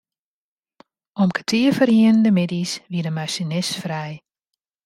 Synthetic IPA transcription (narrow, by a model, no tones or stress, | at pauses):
ʔɔmkə̥tʰiəfərjiənəndəmɪdisʋiədəmaʃinɪsfrɛj